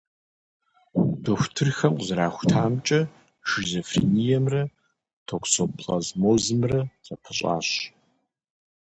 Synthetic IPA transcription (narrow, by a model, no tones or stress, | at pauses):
d̥oxʷtʰɨrxɐmqzraːxʷtʰaːmt͡ʃʼɐ | ʃɪzofrḭnijɛmrɐ | tʰokʷʰsopɬʼa̰zmoːzɨmrɐt͡sʼɐpʰɨɕʼa̰ːɕ